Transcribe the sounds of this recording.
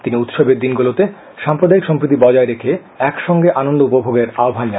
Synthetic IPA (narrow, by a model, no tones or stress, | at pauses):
t̪iniut̪ʃobeɾd̪inɡulot̪e | ʃampɾod̪aikʃɔmpɾit̪̬ibɔd͡ʑaeɾekʰe | ɛkʃɔŋɡeʔanond̪oupobʱoɡeɾaobʱand͡ʑa